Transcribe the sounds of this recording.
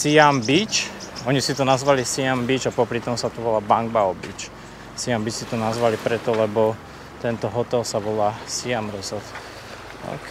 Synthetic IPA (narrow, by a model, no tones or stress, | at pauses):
siambit͡ʃ | ɔɲisit̪ɔnazʋalisiambit͡ʃapɔpɾit̪ɔmsat̪ɔʋɔlaːbaŋɡ̚baɔbḭt͡ʃ | siambit͡ʃsit̪ɔnazʋalipɾɛt̪ɔlɛbɔ | t̪ɛnt̪ɔɦɔt̪ɛlsaʋɔlaːsiamɾɛzɔlt̪ | a̰k